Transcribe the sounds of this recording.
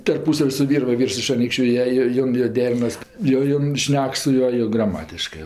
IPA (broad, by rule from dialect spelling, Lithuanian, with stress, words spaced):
tɐrˈpuːsɐw sʊ ˈʋʲiːr ˈʋɐ ˈʋʲiːrs ɪʃ ɐˈnʲiːkʃʲt͡ʃʲʊ ˈjiɛ ˈjoː ˈjoːn joː ˈdʲæːrʲɪnɐs joː ˈjoːn ˈʃʲnʲɛk sʊ ˈjuɔ joː ɡrɐˈmɑːtʲɪʃkɜ